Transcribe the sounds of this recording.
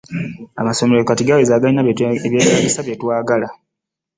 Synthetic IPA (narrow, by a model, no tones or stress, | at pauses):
a̰maso̞meɾokatiɡawezaːɡainaβjeːɡalisaβjetwaːɡala